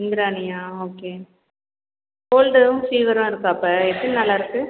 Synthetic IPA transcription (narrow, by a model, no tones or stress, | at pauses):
ɪŋɡɪɾaːnɪjaːoːkeː | hoːlɖɯʊ̃fiːʋɐɾʊ̃ɪɾɯkːɯɐpːɐɛt̪ːɐnnɐlːaɪɾɯkːɯ